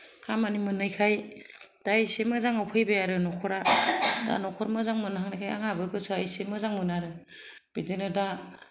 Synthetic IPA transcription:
kʰamanimɯnɯjkʰaj | d̥ajsemɯzaŋawpʰɯjbejaɾɯnɔkʰɔɾada̰nɔkʰɔɾmɯzaŋmɯnaɦaŋnajkʰaja̰ŋabɯɡɯsɯajsemɯzaŋmɯnaɾɯ | b̥idɯnɯda

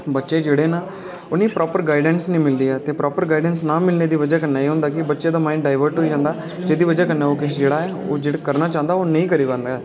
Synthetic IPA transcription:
bətːʃeːd͡ʒeːɽeːnaː | ʊniːpɾɔːpəɾɡaːɪɖənsnĩːmɪld̪iːɛːt̪eːpɾɔːpəɾɡaːɪɖənsnaːmɪlneːd̪iːʋəd͡ʒaːkənːaːiːɦõːnd̪aːkɪbətːʃeːd̪aːmãːɪɳɖɖaːɪʋəɾʈɦoːiːd͡ʒãːnd̪aː | d͡ʒeːd̪iːʋəd͡ʒakənaːoːkɪsd͡ʒeːɽaːɛːo̰ːd͡ʒeːɽkəɾnaːt͡ʃãːnd̪aːoːnəĩːkəɾiːbãːnd̪aɛː

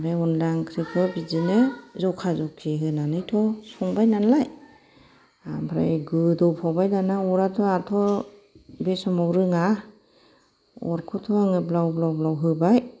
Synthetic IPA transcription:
meunlaŋkʰɾikʰɯbizinɯzɔkʰazɔkʰːiɦɯnanɯjtʰɔsʰɔŋbajnanlaj | abʰɾa̰jɡɯdɔpʰawbajdanaɔɾatʰɔatʰɔ | besɔmɔwɾɯŋa | ɔ̰ɾkʰɔtʰɔaŋɯblawblawblawɦɯbaj

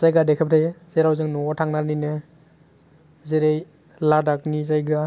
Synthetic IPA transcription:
zajɡadekʰap̚ʰɾʰajz̥eɾawzɯŋnɔɔtʰaŋnaninɯ | zeɾej | ladak̚nizajɡa

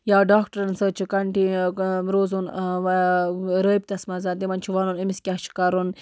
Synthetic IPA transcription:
jaːɖaːkʈɐɾɐnsət͡ʃʰikɐɳʈiɾoːzun | ɾəːib̚t̪ɐsmɐzaːnt̪imɐnt͡ʃʰiʋanunimiskʲat͡ʃʰi̥kɐɾun

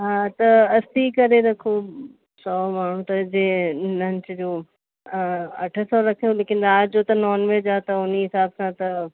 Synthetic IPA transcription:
ɦaːt̪ɐɐst̪ikɐɾeɾɐkʰo | sɔːmaːɳ̤ũt̪ɐd͡ʑeːnɐ̃ɲt͡ɕd͡ʑoː | ɐʈʰə̆sɔɾɐkʰijoleːkɪnaːd͡ʑoːt̪ɐnɔːnʋed͡ʑaːt̪ɐʊniɦɪsaːbsãt̪ɐ

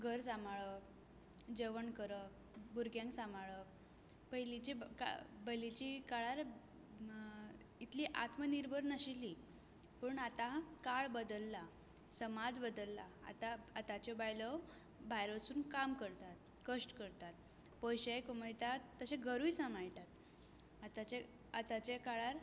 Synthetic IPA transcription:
ɡʱəɾsamaɭə | d͡ʑəʋəɳkəɾə | buɾɡjãŋksamaɭə | pəjlit͡ɕeka̰bəjlit͡ɕikaɭaɾ | it̪liːʔa̰t̪məniɾbʱəɾnəɕili | pəːɳat̪aɦãkaɭbəd̪əlːa | səmad͡zbəd̪əlːaa̰t̪aːt̪at͡ɕɔbajlɔ | bʱajɾosuːnkamkəɾt̪at̪ | kəʂʈkəɾt̪at̪̚ | pəjɕəjkuməjt̪at̪ːəɕeɡʱəɾujsamajʈat̪ | at̪at͡ɕe | at̪at͡ɕakaɭaɾ

